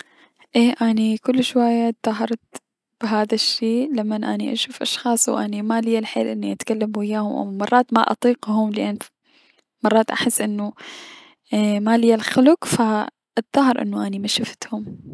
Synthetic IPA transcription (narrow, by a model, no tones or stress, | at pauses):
ʔeːʔanikʊlːʃwajːat̪ðˤɑɦɑɾˤt̪ | b̥ɪɦaːðaʃːiːlamːanʔa̰niʔa̰ʃuːfʔɑ̰ʃxɑːsˤwʔa̰nimalɪjːalħḛːlʔɪnːiʔat̪kalːamuɪjːaːhʊmʔa̰wmɑrˤːɑːt̪maʔɑ̰t̪ˤiːqhʊmlɪʔanː | mɑrˤːɑːt̪ʔaħɪsːʔɪnːʊ | malɪjːalxʊlʊqfa | ʔɑt̪ˤːɑɦɑɾʔɪ̰nːʊʔanimaʃaft̪hʊm